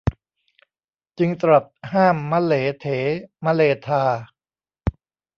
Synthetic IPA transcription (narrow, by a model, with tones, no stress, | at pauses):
t͡ɕɯ˧ŋt̪ɾa˨˩t̪̚haː˥˩mːa˧˥leː˩˦t̪ʰeː˩˦ma˦˥leː˧t̪ʰaː˧